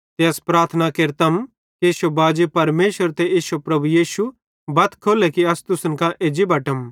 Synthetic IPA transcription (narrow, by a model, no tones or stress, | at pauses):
t̪eɐspɾaːɾt̪ʰənakeɾt̪ɐm | kiʃobaːd͡ʒipɐɾmeːʃəɾt̪eeːʃopɾɐbujiːʃu | bɐt̪kʰoːlɛkiɐst̪ʊsənkãʔeːd͡ʒibɐʈəm